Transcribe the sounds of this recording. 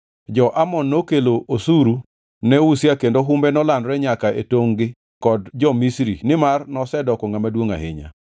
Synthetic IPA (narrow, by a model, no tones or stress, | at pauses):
d͡ʒɔʔamɔnːokeloʔosuɾu | nɛwusjakendoɦumbɛnɔlandɾɛɲakaʔḛtoŋɡɪ | kɔdd͡ʒɔmisɾinɪmarnɔsɛdɔkɔŋamadwoŋa̰ɦɪ̰ɲa̰